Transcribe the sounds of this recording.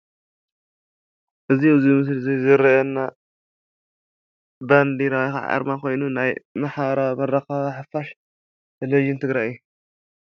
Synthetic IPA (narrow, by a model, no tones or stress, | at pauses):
ʔɨziɨzimɨs̬lzizɨɾɐɛnːa | band̪iɾawajxa̰ʕa̰ɾmako̞jnunajmɐħaɾamɐɾɐxaaħɨfaʃ | leʒint̪ʰɨɡɾajɨjːu